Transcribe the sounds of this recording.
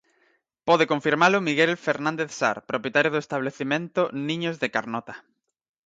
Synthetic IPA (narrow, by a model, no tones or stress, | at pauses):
pɔðekoɱfiɾmalʊmiɣelfeɾnãnd̪eθsa̰ɾpɾopjet̪aɾjoðoest̪aβ̞leθimẽnt̪ʊnĩɲozðekaɾnɔt̪ḁ